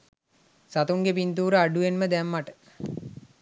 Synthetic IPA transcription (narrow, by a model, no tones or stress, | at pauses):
sat̪uŋɡepint̪uːɾəaɖuenməd̪ɛmːaʈə̥